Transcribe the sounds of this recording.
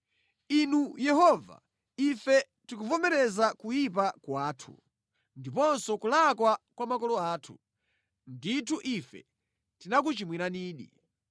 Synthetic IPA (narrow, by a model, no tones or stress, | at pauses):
inujɛɦɔva̰ | ifɛ | tikuvɔmɛɾɛzakujip̬akwaːtʰu̥̰ | ndipɔnsɔkulakwakwamakɔlɔaːtʰu | nditʰuʔifɛ̰ | tinak̬ut͡ʃimwiɾaniːɗḭ